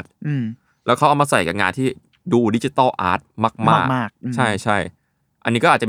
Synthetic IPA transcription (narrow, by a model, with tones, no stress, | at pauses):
t̪̚ː | lɛː˦˥wkʰa˦˥wʔa˧˩maː˧sa˨˩jka̰ː˨˩ŋaː˧nt̪ʰiː˥˩ | duː˧di˦˥t͡ɕi˧t̪ɔ˥˩ʔa̰ː˦˥t̪̚maː˥˩k̚maː˥˩kaː˥˩k̚t͡ɕʰa˥˩jt͡ɕʰa˥˩j | ʔa˧nːi˦˥kɔ˥ʔːt̚t͡ɕ